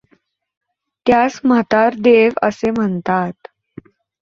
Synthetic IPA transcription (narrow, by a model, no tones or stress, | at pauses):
t̪jasmət̪aɾd̪eʋə̰sem̤ənt̪at̪